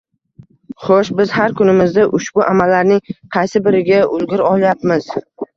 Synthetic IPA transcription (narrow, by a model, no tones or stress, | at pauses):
χoʃbɪz̥haɾkʰʊnɪmɪzd̪aʔʊʃbʊʔamalːaɾnɪŋqʰɑjsɪbɪɾɪɡʲaʊlˠɡʲʊɾɒlˠjapmɪz̥